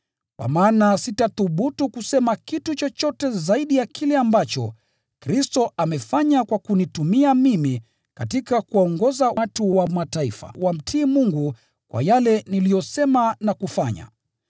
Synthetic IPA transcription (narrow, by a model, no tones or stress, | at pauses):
kwa̰maːnasitaθuɓutukusɛmakitut͡ʃɔt͡ʃɔtɛzaiɗijakʰilɛambat͡ʃɔ̰ | kɾistɔʔamɛfaɲakwakunitumiamimi | katikakuaɔŋɡɔzatuwamataifa̰wam̩tʰiːmuŋɡu | kwa̰jalɛnilijɔsɛmanakufaɲa̰